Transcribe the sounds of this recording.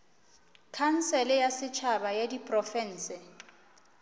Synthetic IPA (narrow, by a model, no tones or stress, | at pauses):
kʰan̩sɛlɪjasɪt͡ʃʰabajedipʼrɔfɛn̩ːsɪ